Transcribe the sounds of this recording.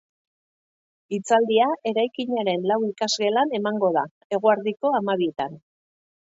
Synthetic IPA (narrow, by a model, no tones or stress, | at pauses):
it͡sald̪iaʔe̞ɾajkiɲaɾe̞nlawikazɣe̞lane̞maŋɡo̞ða | e̞ɣ̞oaɾðiko̞amaβiet̪an